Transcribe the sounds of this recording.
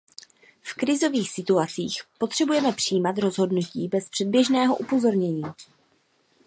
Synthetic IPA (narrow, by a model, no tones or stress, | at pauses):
fkɾɪzo̞viːxsɪt̪uat͡siːxpo̞t̪r̝̥ɛbujɛmɛpr̥ijːmat̪ɾo̞zɦo̞dnuciːbɛspr̥ɛd̚bjɛʒnɛːɦo̞ʔupo̞zo̞ɾɲɛɲiː